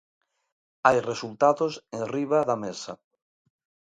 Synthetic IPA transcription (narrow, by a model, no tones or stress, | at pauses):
ajresult̪aðosẽŋriβaðamesɐ̰